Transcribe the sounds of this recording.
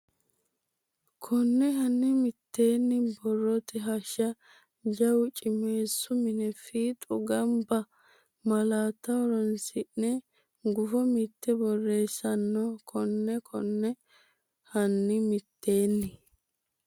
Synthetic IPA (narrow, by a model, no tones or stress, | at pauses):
kʰɔnːɛɦɐnːɪmɪt̪ʰːe̞ːnːɪbɔrːɔt̪ɛɦɐʃɐ | d͡ʒɐwt͡ʃʼɪme̞ːsːʊmɪnɛfiːt̪ʼʊɡɐmbɐ | mɐlaːt̪ːɐwɔɾɔnsɪʔnɛ | ɡʊfɔmɪt̪ːɛbɔrːe̞ːsːɐnːɔkʰɔnːɛkʰɔ̰nːɛ | hɐnːɪmɪt̪ʰːe̞ːnːɪ